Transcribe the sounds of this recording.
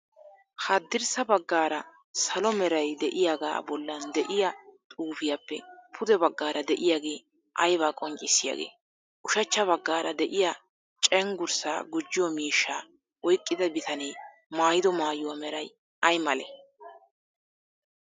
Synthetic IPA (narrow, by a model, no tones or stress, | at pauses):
hɐd̪ːɪɾsɐbɐɡːaːɾɐ | sɐlɔmɛɾɐjd̪ɛʔɪjaːɡa̰ːbɔlːɐnd̪ɛʔɪjɐt̪ʼuːfɪjapːɛpʰʊd̪ɛbɐɡːaːɾɐd̪ɛʔɪjaːɡe̞ː | ʔɐjβaːkʼɔŋt͡ʃʼɪsːɪja̰ɡḛː | ʔʊʃɐt͡ʃːɐβɐɡːaːɾɐ̰d̪ɛʔɪja | t͡ʃʼɛŋɡʊɾsa̰ːɡʊd͡ʒːɪjwɔmiːʃːaː | wɔjkʼːɪd̪ɐbɪt̪ʰɐneː | maːjɪd̪ɔmaːjʊwɐmɛɾɐj | ʔɐjmɐlɛ̰